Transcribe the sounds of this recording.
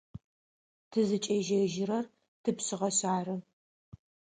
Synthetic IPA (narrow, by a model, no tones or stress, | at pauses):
tʰɨzɨt͡ʃʼɐʒɐʒɪɾɐr | tʰɨpɕɪʁɐɕaːrɨ